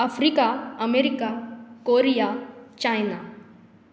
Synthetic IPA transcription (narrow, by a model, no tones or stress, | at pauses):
ɐfʰɾikaɐmeɾikakoɾijat͡ʃajna